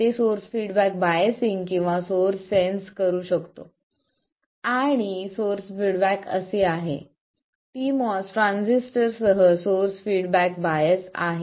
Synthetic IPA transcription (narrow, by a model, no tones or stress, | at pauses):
t̪esoɾsfiɽbæk̚bajəsiŋɡkĩw̃ʋasoɾsːenskəɾuːɕəkt̪o̰ | aɽ̃isoɾsfiɽbækə̰seaɦḛ | t̪imɔsʈɾãnsisʈəɾsəɦəsoɾsfiɽbækbajəsa̰ɦe